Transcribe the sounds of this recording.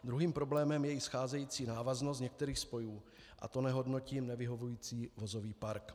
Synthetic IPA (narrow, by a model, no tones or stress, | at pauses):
d̪ɾuɦiːmpɾo̞blɛːmɛmjɛɪsxaːzɛjiːt͡siːnaːvaznost̪ɲɛk̚t̪ɛɾiːxspo̞juː | ʔa̰t̪o̞nɛɦo̞dno̞ciːmnɛvɪɦo̞vujiːt͡siːvo̞zo̞viːpaɾk